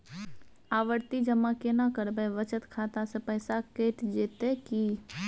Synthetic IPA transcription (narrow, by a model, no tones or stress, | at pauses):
aːʋəɾt̪id͡ʒəmakenakəɾbeʋət͡ʃət̪kʰaːt̪asepɛɦɪsakeːʈd͡ʒeːt̪eki